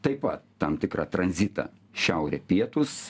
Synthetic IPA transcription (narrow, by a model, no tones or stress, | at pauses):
t̪ɐɪpɐt̪t̪ɐmt̪ʲɪkɾɑt̪ɾɐnʲzʲɪt̪ɑ̰ː | ʃʲɛʊɾʲɛːpʲiɛt̪ʊs